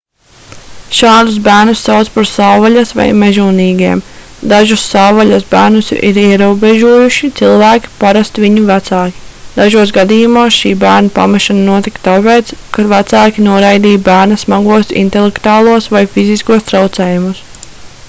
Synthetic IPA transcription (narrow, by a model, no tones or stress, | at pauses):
ʃaːd̪us̬bæːɾnusːawt̪spaɾsawvaʎasʋa̰jmɛʒuːniːɡiɛm | d̪aʒusːawvalasbæːɾnusḭɾiɛɾuɔbeʒuɔjuʃit̪silˠvæːkʲi̥paɾast̪viɲuvæt̪saːkʲi̥d̪̥aʒuɔsɡad̪iːjumuɔsʃiːbæːɾnapa̰mɛʃananuɔt̪ikt̪apejt̪skavæt̪saːkʲinuɔɾajd̪iːjbæːɾnɐsmaɡuɔsḭnt̪ɛlˠɛkt̪uaːlˠuɔsʋajfiziskuɔst̪ɾawt̪sɛːjumus